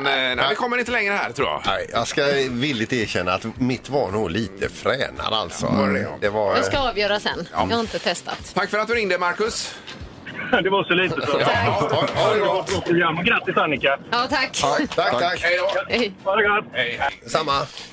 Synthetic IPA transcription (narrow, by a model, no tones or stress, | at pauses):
nnæɪvɪkʰɔmːəɾɪnt̪əlɛŋɾəhæ̰ɾt̪ʰɾuːjɑ̰ɛjɑɡskavɪlːɪt̪eːɕɛnːaːt̪mɪt̪vanuːɡliːt̪ʰə̰fɾɛ̰ːna̰d̪a̰lt̪sɔ̰ɛd̪ɛvaɾjɑskaɑːvjœːɾasɛ̰n̰ːhaɪnt̪ət̪ʰɛst̪a̰t̪t̪ʰakːfəɾat̪d̪ɵʉɾɪŋd̪əmaɾkɵs | d̪ɛvasɔliːt̪əsɔ | d̪ɛvafɾɔt̪ːəɡɾamːɔɡɾat̪ːɪsanːɪkaɑːt̪ʰak̪ːʰakahɛjd̪ɔvaɾɛɡod̪ɛsamːa